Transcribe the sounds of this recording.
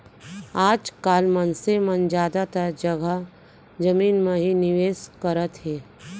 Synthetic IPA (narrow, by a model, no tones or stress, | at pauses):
aːd͡ʒkaːlmənsemənd͡ʒjaːd̪at̪əɾd͡ʒɐɡə | d͡ʒəmiːnmẽɦinɪʋeːskəɾət̪ɦɛː